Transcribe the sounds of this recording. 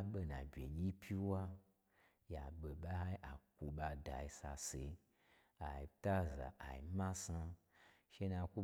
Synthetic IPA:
ɓe˧na˨bʲḛ˨ɲʲi˦pʰʲi˦wa˦ | ja˨ɓe˨ɓa˦ha˦ʔa˨ku˨˧ɓa˧da˨ji˧sa˧se˨˦ | a˨i˨ta˦za̰˨ʔa˨i˨mã˦sa˧ | ʃe˦na˧ku˦

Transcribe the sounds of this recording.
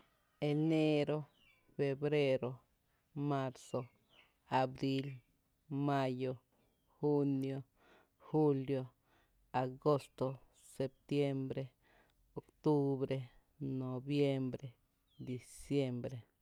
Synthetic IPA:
e˨˧ne˦ɾo˦ | fe˧bɾe˦ɾo˧ | ma˦ɾso˧ | a˨bɾi˦l | ma˦jo˧ | xu˦njo˧ | xu˦ljo˧ | a˨ɡo˦st̪o˧ | se˨p̚t̪je˦mbɾe˧ | o˨kt̪u˦bɾe˦ | no˨bje˦mbɾe˨ | d̪i˨sje˦mbɾe˨

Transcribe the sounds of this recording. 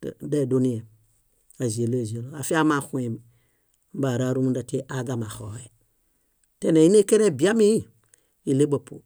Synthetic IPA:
da˦˨do˦ni˦e˨ | a˨zi˨e˨lo˦e˨zi˨e˨lo˨a˨fi˦a˦ma˨xu˦e˨m˨˦ | ba˨ɾa˦ɾu˦mu˦da˨te˦ʔa˨˦ɡa˨ma˨xo˨e˨ | te˦ne˨ji˦ne˦ke˦ɾe˦bi˨a˦mi˦i˦ | i˨le˦bo˨po̰˨

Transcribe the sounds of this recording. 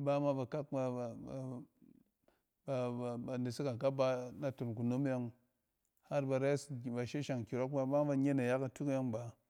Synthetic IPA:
ba˦ma˦ba˨ka˦k̚ba˨ | a˨ba˨ne˨si˦ka˨ka˦ba˦na˨to˨nku˨no˦m˦ja˦ŋ | ha˦ɾba˧˨ɾa˦sba˨ʃe˦ʃa˨ŋki˨ɾo˦k̚ba˦ba˦ba˦ɲe˦na˨ja˦ka˨tu˦kja˦ŋba˨

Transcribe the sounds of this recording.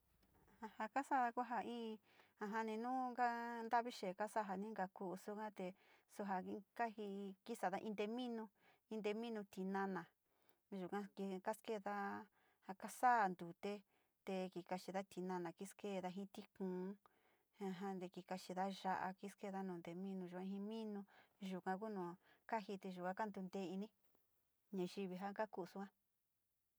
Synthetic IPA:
ha˧ha˧ka˦sa˦˨ða˧kʷu˦ɦa˧ĩː˦˧ | ã˧ɦã˧nĩ˧nũ˦ŋɡa˦nd̪a˦βi˦ʃe˨ka˦sa˦˨ɦa˨nĩ˦ŋɡa˧ku˧u˧su˦kã˦t̪e˧ | su˧ɦa˧ka˦hi˧ki˦sa˨ða˦ʔĩ˧nd̪e˧mĩ˦nũ˧ | ĩ˧nd̪e˧mĩ˦nũ˧t̪i˧nã˧nã˨˧ | ʒu˨kã˧ki˧ka˦ske˦˨˧ða˦ | ha˧ka˦sa˦˨nd̪u˨t̪e˦ | t̪e˧ki˧ka˧t͡ʃi˧ða˦t̪i˧˨nã˧nã˨ki˦ske˦˧ða˧ɦĩ˦t̪i˦kũː˨˦ | a˧ɦã˧nd̪e˧ki˧ka˧t͡ʃi˧ða˦ʒa˧ʔa̰˧ki˦ske˦˧ða˦nũː˨nd̪e˧mĩ˦nũ˧ʒu˨˧ã˧ɦĩ˧mĩ˦nũ˧ʒu˨kã˧k̬u˦nũ˨˧ka˦hi˧t̪e˧ʒu˨kʷã˦ka˦nd̪u˧nd̪e˧˦i˧nĩ˦ | ɲã˧ʒi˧βi˧ɦa˦ka˦ku˦˧su˧˦kã˦

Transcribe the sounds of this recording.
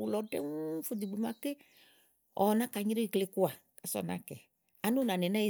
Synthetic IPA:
u˨lɔ˨ɖɛ̰˦ŋu˦fo˨di˨ɡ͡be˨mã˨ke˦ | ɔ˨nã˦ka˨ɲi˦ɾe˦i˨kle˨˦ku˦a˨ | ka˨sɔ̰˦˨nã̰˨kɛ˨ | a˨no˦nã˨nɛ˨nã˦je˦

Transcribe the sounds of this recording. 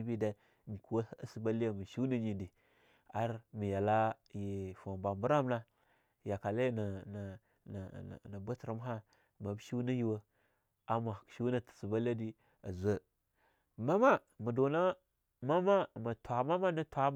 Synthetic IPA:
i˦bi˦da˨ | n˨ku˨wa˦a˦si˨ba˦li˦ja˦mə˨ʃi˦na˦ɲi˨ndi˨ | a˦ɾmi˨ja˨la˦ji˨fa˨mba˨mbu˦ɾa˦m˦na˦ | ja˨ka˨la˦i˦na˨na˨ | n̰˨na˨ba˦tɾa˨m˦ɦa˦ | ma˨bʃi˦na˦ji˨wa˦ | a˨ma˨ʃi˦na˦tsi˨ba˦la˦di˦ | a̰˨zʷə˦˨ | ma˦ma˦ | mə˨do˨na˦ | ma˦ma˦ma˨tʷa˨˦ma˦ma˦na˦tʰʷa˦

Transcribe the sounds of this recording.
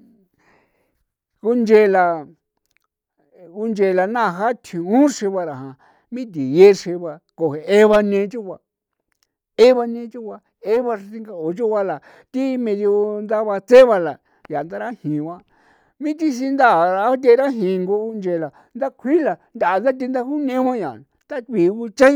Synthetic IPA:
ku˧nd͡ʒe˧la˧ | u˧nd͡ʒe˧˨la˨nã˦˨˧ɦa˦t̪ʰĩ˨ũ˦ʂe˧βa˧ɾa˨ɦã˨ | mĩ˦t̪̬i˨je˦ʂe˧βa˧ko˨ɦe˨e˦βa˧nẽ˧˦t͡ʃu˦kʷa˧ | e˦βa˧nẽ˧˦t͡ʃu˦ka˧ | e˦βa˧ʂti˧ŋɡa˧o˨t͡ʃu˦βa˧la˨ | t̪i˦mẽ˧ðjo˧nd̪a˦βa˧t͡se˦βa˧la˨ | ja˨nd̪a˦ɾa˦hĩ˨βã˦ | mĩ˦t̪i˧s̬i˧nd̪a˦˨ɾa˧˦t̪̬ʲe˧ɾa˦ɦĩ˨ŋɡo˧u˧nd͡ʒe˧˨la˨ | nd̪a˦kʷʰi˦la˨nd̪a˨a˧d̪a˦t̪̬i˧nd̪a˦hu˦nẽ˦wʷã˦ɲã˨ | t̪a˦k̪i˨˧u˧t͡ʃa˦

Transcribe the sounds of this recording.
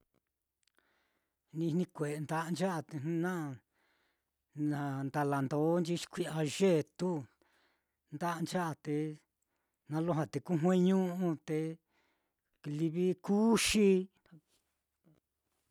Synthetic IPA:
nĩ̥˧nĩ˧kʷe˨˧nd̪a˧ʔnd͡ʒa˦ʔa˧t̪e˧ñ˦nã˦˨ | nã˨˧nd̪a˧la˨nd̪o˨˦nd͡ʒi˦t͡ʃi̥˧kʷi˦a˧ʒe˦˨t̪u˦ | nd̪a˦ʔnd͡ʒa˦ʔa˧t̪e˧ | nã˧lo˦ɦã˧t̪e˨ku˦ɦwẽ˦ɲũ˦ʔũ˧t̪e˧ | li˧βi˦ku˦ʃi˧

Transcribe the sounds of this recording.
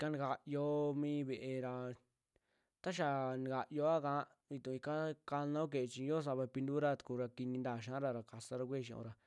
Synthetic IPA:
ka˧ni˧ɡa˧jo˧mĩː˦βe˧ʔe˧ɾa˧ | t̪a˦ʃ̬a˧˨nĩ˧ɡa˨jo˧˦a˦kã˧˦ | βi˧t̪ũ˧i˧ka˦ka˧nã˦o˦k̬e˨e˧t͡ʃi˧jo˦s̬a˧βa˧pi˧nd̪u˦ɾa˦˧t̪ku˧ɾa˧ki˧nĩ˧nd̪aː˧˨ʃã˦ɾa˧ɾa˧ka˧sa˧ɾa˧kʷe˦˨ʃĩ˧õ̰˧ɾa˧

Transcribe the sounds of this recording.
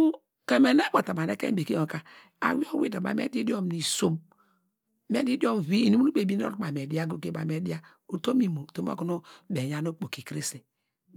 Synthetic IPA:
u˦ | ke˨me˨ne˦bo˨ta˨ma˨ne˦kḛ˦be˨ki˦o˨ka˨ | a̰˨wi˦o˦wi˦˨da˨ba̰˨mḛ˦di˦di˦o˦m˨ni˨so˦m | me˦di˦di˦o˦m˨vi˦i˨ni˦u˦nu˦k͡pe˨bi˦n˦o̰˦˨k͡pa˨m˨e˨di˦a˦ɡo˦ke˨˦˨ba˨me˦di˦a˦ | o˨to˦mi˨mo˨to˨˦m˦o̰˦ko˦no˦be˨ja˨˦no˦k͡po˨ki˨kɾi˦si˨

